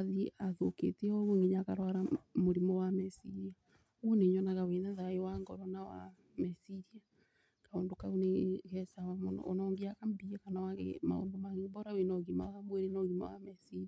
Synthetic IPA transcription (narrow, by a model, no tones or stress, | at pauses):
aðiaðokḛteɔɣuŋiɲakaɾwaɾamoɾimɔwamɛsiɾia | uneɲɔnaɣawenaðaewaŋɡɔɾɔnawa̰ | mɛsiɾia | kaoːndokauneɣɛsawamon̰onɔːŋɡiakambiɛkanawaɣḛma̰o̰ːndomaɣembɔɾawenɔɣima̰ɣamweɾenaoɣimɔ̰wa̰mɛsiɾia